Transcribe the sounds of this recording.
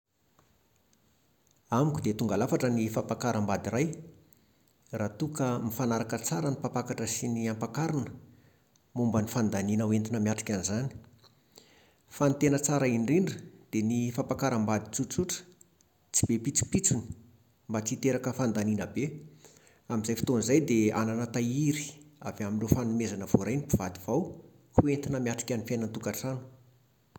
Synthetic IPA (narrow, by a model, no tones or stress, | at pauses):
amikʲud̪et̪uŋɡalafaʈ͡ʂənifapakaɾəmbad̪irɾaj | raːt̪ukəmifanaɾakət͡saɾənipapakaʈ͡ʂəsiniampakaɾinə | mumbənifand̪aninəwent̪inəmiaʈ͡ʂi̥kʲanizani̥ | fant̪enət͡saɾəinriɳɖ͡ʐəd̪̥enifapakaɾəmbad̪i̥t͡sut͡suʈ͡ʂə̥ | t͡si̥bepit͡si̥pit͡suni̥ | mbat͡sit̪eɾakəfand̪aninəbe | amizajfi̥t̪onzajd̪ea̰nanət̪aiɾi̥avaminɳrefanumezanəv̥oɾajnipuvad̪iv̥aw | kuent̪inəmiaʈ͡ʂi̥kʲanifejnənt̪ukaʈ͡ʂanu̥